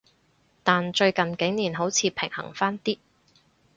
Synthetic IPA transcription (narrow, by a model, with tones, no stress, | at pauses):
t̪aː˨nt͡ʃɵ˧ɥkɐ˨nkɪ˨˥ŋniː˨˩nɦo˨˥wt͡sʰiː˨˧pʰɪ˨˩ŋhɐ̰˨˩ŋfaː˥nt̪iː˥